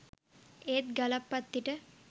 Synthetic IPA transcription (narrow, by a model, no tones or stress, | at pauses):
eːt̪̚ɡɐlapːɐt̪ːiʈə